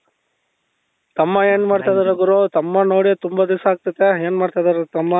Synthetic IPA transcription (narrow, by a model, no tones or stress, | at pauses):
t̪ɐmːɐeːnmaːɖt̪aːjd̪ɐɾɐɡuɾot̪ɐmːɐnoːɽit̪umbɐd̪isaːɡ̚t̪ɐt̪ːeeːnmaːɽt̪ajd̪ɐɾet̪ɐmːɐ